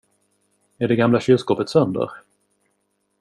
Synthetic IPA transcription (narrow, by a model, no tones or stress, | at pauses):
æɖɛɡamlaɕʏlskoːpət̪sœnd̪ə̰ɾ